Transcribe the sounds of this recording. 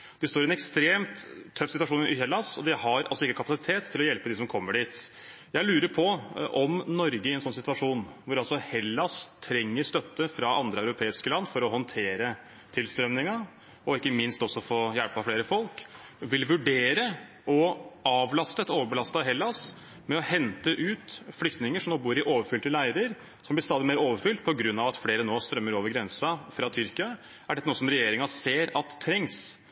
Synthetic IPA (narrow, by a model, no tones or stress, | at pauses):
d̪̥ɛst̪oːɾɪɛnɛkst̪ɾeːmt̪ʰːœfːsɪt̪ʋɑʂuːnʔɪhɛlːɑsɔ̰d̪ɛhɑɾʔɑ̰lsɔɪkːəkʰɑpɑsɪt̪ʰeːt̪ʰːɪlɔjɛlpəd̪ɪsɔmkʰɔmːəɖiːt̪ | jæɪlʉːɾəɾpʰɔʔɔmnɔɾɡəɪɛnsɔnsɪt̪ʋɑʂuːnʋʊɾɑlsɔhɛlːɑst̪ʰɾɛŋːəɾst̪œt̪ːəfɾɑʔɑnd̪ɾəæʉɾʊpʰeːɪskəlɑnːfɔɾɔhɔnt̪ʰeːɾə | t̪ʰɪlst̪ɾœmnɪŋɑ | ɔɪkːəmɪnst̪ɔsɔfoːjælpɑfleːɾəfɔlk | ʋɪlʋʉɖeːɾə | ʔɔɑːʋlɑst̪əɛt̪oːʋəbəlɑst̪ɑɦɛlːɑs | mɛɔhɛnt̪əʔʉːt̪flʏkt̪nɪŋəʂɔmnoːbuːɾɪʔoːʋəɾfʏlt̪əlæɪəɾəɾ | sɔmblɪɾst̪ɑːd̪ɪmeːɾoːʋəɾfʏlt̪̚pʰɔɡɾʉnːɑʋɑt̪fleːɾənoːst̪ɾœmːəɾoːʋəɾɡɾɛnsɑfɾɑt̪ʰʏɾkɪɑ | æɖɛt̪ːənuːəsɔmɾɛjeːɾɪŋɑseːɾɑt̪ʰːɾɛŋs